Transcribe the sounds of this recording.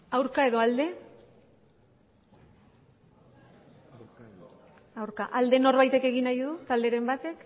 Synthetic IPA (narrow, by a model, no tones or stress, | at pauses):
awɾkae̞ðo̞ald̪e̞ | awɾkaʔald̪e̞no̞ɾβajt̪e̞ke̞ɣ̞inajðut̪ald̪e̞ɾe̞mbat̪e̞k